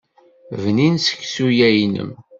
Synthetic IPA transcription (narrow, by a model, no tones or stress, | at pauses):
vninsə̥çsujæjnə̰m